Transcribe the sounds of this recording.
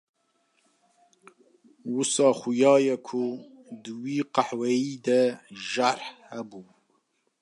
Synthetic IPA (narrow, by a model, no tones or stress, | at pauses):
wusɑːxʊjɑːjɛkʰʊ | d̪ɨwiːqaħwɛjiːd̪ɛʒaɾħhæbuː